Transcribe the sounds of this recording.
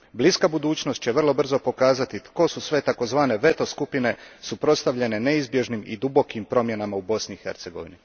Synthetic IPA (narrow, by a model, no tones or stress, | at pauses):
bliskabud̪uːt͡ɕnost̪̚t͡ɕe̞ʋr̩lˠo̞br̩zo̞po̞kaːzat̪it̪ko̞susʋe̞t̪ako̞zʋaːne̞ʋe̞t̪o̞skupine̞supɾo̞t̪st̪aʋʎe̞ne̞ne̞izbje̞ʒnimid̪ubo̞kimpɾo̞mje̞namaubo̞sniixe̞ɾt̪se̞ɡo̞̰ʋḭni